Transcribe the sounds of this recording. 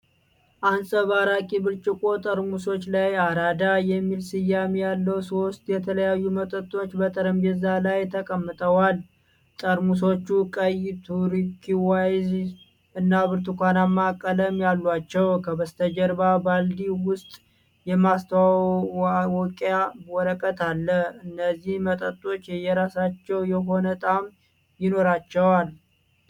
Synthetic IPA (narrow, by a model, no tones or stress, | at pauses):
ʔansəβaɾakʼibɨɾt͡ʃʼɪkʼo̞t̪ʼəɾmuso̞t͡ʃːlajaɾad̪ajɛmːilsɨjːamejalːəwsost̪ʼjɛt̪ʰələjajːumət̪ʼət̪ʼːo̞t͡ʃːbət̪ʰʼəɾəmɛzːalajt̪ʰəkʼəmːɨt̪ʼəwal | t̪ʼəɾmuso̞t͡ʃːukʼəjɪt̪ʰuɾikʰːiwajz | ɨnːaβɨɾt̪ʰukʷanamːakʼːələmjalːwat͡ʃːɛwkʰəbəst̪ʰəd͡ʒəɾbabald̪iwʊst̪ʼ | jɛmast̪ʰəwa | wɔkʼawɔɾəkʼət̪ʰalːəɨnːəzːihmət̪ʼət̪ʼːo̞t͡ʃːjɛjɛɾasat͡ʃːɛwjɛɦo̞nət̪ʼam | jɪno̞ɾat͡ʃːɛwal